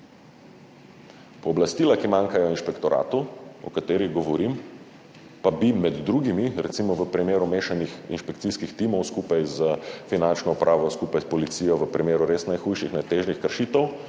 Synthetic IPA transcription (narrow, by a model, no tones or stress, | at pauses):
pɔːblast̪iːlakimaːŋkajɔinʃpɛkt̪ɔɾʔa̰ːt̪uɔ̰kat̪eːɾiɣɡɔʋɔɾim | pabimɛd̪d̪ɾuɡimiɾɛt̪simɔʋəpɾimeːɾumeːʃanixḭnʃpɛkt̪siskixt̪imɔwskupajzəfinant͡ʃnɔupɾʔaːʋɔskupajspɔlit̪siːjɔʋəpɾimeːɾuɾesnajxujʃixnɛt̪ːeːʒnixkəɾʃiːt̪ɛw